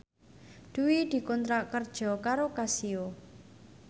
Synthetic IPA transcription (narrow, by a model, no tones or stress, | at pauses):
d̪̥uwid̪̥i̤kɔnt̪ɾaʔkərd̥ʒ̥ɔ̤kaɾokasio